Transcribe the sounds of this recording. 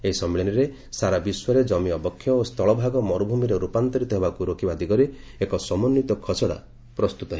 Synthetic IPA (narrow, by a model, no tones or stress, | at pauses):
eɦisɔmːeɭiniɾe | saɾabiswɾed͡ʒɔmiɔbɔkʰːjɔost̪ʰɔɭɔbʱaɡɔmɔɾubʱumiɾeɾupant̪ɔɾit̪ɔɦebakuɾokʰibad̪iɡɔɾe | ekɔsɔmɔnːit̪ɔkʰɔt͡ʃɔɽa̰ | pɾɔst̪ut̪ɔɦe